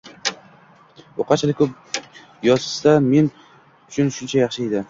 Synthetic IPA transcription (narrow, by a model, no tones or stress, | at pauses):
oqʰɑt͡ʃʰlɪkʰɵp̚ | jɒzɪ̥st̪ame̞n | ʊt͡ʃʰʊnʃʊnt͡ʃʰajɑχʃɪed̪ɪ